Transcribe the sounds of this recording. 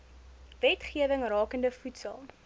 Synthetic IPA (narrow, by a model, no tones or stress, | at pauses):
vɛtχiəvəŋrɑːkəndəfutsəlˠ